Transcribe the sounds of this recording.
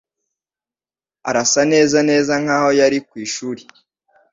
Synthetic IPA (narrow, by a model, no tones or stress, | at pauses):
a̰ɾasane̞ːzane̞ːzaŋ̥haːho̞jaɾikwiːʃuːɾi